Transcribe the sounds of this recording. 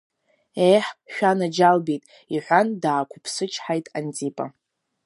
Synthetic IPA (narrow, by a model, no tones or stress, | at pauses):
ejħʃᶣanad͡ʒalbitʼ | iħʷandaːkʷʰʊpʰsɨt͡ʃʰʼħajtʼa̰nt͡sʼipʼa̰